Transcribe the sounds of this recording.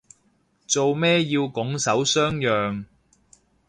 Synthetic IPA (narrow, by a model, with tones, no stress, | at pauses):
t͡so˨wmɛː˥jiː˧wkʊ˨˥ŋsɐ˨˥wsœː˥ŋjœː˨ŋ